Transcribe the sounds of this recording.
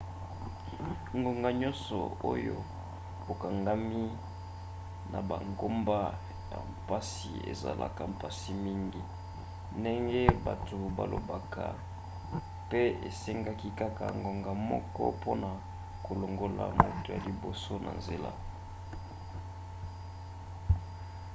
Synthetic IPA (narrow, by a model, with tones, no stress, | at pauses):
ŋɡo˨ŋɡa˨ɲɔ̃˦nsɔ˨o˦jo˦ | o˨ka˨ŋɡa˦mi˦ | na˨ba˨ŋɡo˦mba˦ | ja˨mpa˦si˨ḛ˨za˨lʔa̰˨ka˨mpa˨si˦mi˦ŋɡi˦ | nde˦ŋɡe˦ba˨to˨ba˨lʔo˨ba˨kʰa˨ | pe˦e˨se˦ŋɡa˦ki˦ka˦ka˨ŋɡo˨ŋɡa˨mɔ̰˦kɔ̰˦po˦na˨ | ko˨lo˨ŋɡo˨la˨mo˨to˨ja˨li˨bo˨so˦nʔa̰˨nze˨la̰˦